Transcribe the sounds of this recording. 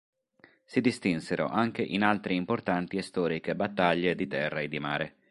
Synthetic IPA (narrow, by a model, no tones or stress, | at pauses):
sid̪ist̪inseɾo̰ʔaŋk̟eʔinalt̪ɾiimport̪ant̪iest̪ɔːɾikebat̪ːaʎːed̪it̪ɛrːaed̪ːimaːɾe